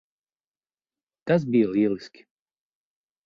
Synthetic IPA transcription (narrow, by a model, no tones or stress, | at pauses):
t̪as̬bijɐlˠiɛlˠiskʲi̥